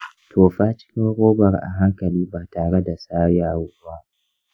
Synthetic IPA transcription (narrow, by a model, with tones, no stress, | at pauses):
tʰoː˨ɸaː˦t͡ʃɪ̥˦kʲɪ˦ŋɾoː˦bɐ˨rʔa̰˨ɦa˦ŋkɐ˨liː˦baː˨taː˨ɽe˦da˨saː˦jaː˦wʊː˦ba˦